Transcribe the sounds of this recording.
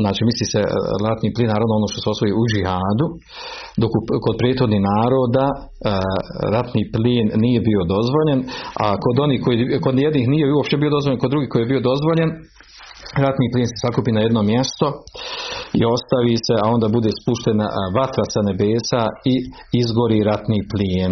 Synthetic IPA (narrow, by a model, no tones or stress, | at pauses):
znaːt͡ʃiːmisliːsḛɾat̪niːpliːnːaːɾaʋnoo̞noʃt̪o̞seo̞sʋo̞jiud͡ʒihaːd̪u | d̪o̞kukod̪̚pɾeːt̪hxo̞d̪nihnaːɾo̞ːd̪a | ɾat̪niːpliːnːije̞bio̞d̪o̞zʋo̞ʎe̞na̰kod̪o̞niːhkojiko̞d̪jed̪niːhnijeuopʃt̪ebio̞d̪o̞zʋoʎe̞nko̞d̪ɾuɡiːhko̞jijebio̞d̪o̞zʋo̞ʎe̞n | ɾat̪niːpliːnse̞sakuːpiːnajed̪no̞mjest̪o̞ | ḭo̞st̪aʋise̞ao̞nd̪aːbud̪e̞ːspuʃt̪ena̰ʋat̪ɾasane̞beːsai | izɡo̞ɾiɾat̪niːpliːn